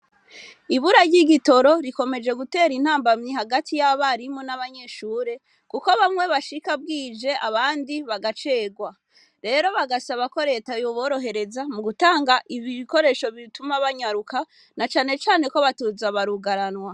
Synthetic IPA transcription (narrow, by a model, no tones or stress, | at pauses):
iβuɾaɟiɡito̞ɾo̞ɾiko̞me̞d͡ʒe̞ɡute̞ːɾin̥haːmbamɲiɦaɡatʰijaβaɾimonaβaɲe̞ʃuːɾe̞ | kuko̞βamŋwe̞βaʃikab̚ɡiːd͡ʒe̞ʔaβaːndiβaɡat͡ʃe̞ːɡwa | ɾe̞ːɾo̞βaɡasaβako̞ɾe̞ːtajoβo̞ːɾo̞ɦe̞ɾe̞zamuɡutaːŋɡaʔiβiiko̞ɾe̞ːʃo̞βitumaβaɲaɾuka | nat͡ʃaːne̞t͡ʃaːne̞ko̞βatuzaβaɾuɡaɾanwa